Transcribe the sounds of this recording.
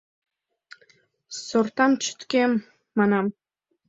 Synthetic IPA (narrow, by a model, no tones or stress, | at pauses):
sort̪ɑmt͡ʃʰʏ̥t̪kʲemː | ɑnɑm